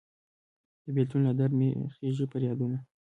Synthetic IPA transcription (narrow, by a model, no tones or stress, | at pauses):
d̪əbelt̪unlad̪aɾmḛxeʒipəɾjɑd̪una